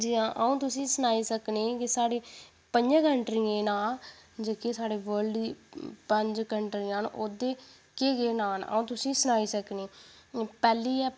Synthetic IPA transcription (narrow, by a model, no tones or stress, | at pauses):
d͡ʒiãːʔəũːt̪ʊsĩːsənaːiːsəkneːkɪsaːɽeː | pəɲd͡ʒãːkəɳʈɾiːẽːnaːld͡ʒeːkeːsaːɖeːʋəɾɖd̪iːpəɲd͡ʒkəɳʈɾiːãːn̰ːʔoːd̪eː | keːɡeːnaːnə̰ːũːt̪ʊsĩːsənaːiːsəkneː | pɛːliːɛː